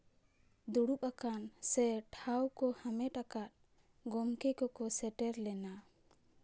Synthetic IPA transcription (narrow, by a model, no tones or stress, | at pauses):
d̪uɽup̚akansɛʈʰawkɔhamɛʈakat̪̚ | ɡɔmkɛkɔkɔsɛʈɛɾlɛna